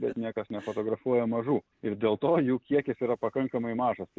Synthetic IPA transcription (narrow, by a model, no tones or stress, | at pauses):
bʲɛt̪nʲiɛkɐsnʲɛfoːt̪oːɡɾɐfuɔjɛmɐʒuː | ɪrdʲeːlˠt̪oːjuːkʲiɛkʲɪsiːɾɐpɐkɐŋkɐmɐɪmɑːʒɐs